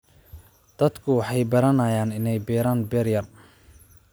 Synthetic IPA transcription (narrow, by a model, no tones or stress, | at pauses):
d̪̥ɐd̪kʰʊwɑħɑjbɐɾɐnaːjaːnɪnɛjbɛːɾaːnbɛːrjɐr